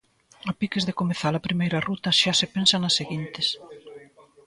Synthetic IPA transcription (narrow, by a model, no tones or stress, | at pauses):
apikezðekomeθalɐpɾimejɾɐrut̪ɐʃasepensɐnɐsːeɣint̪ɪs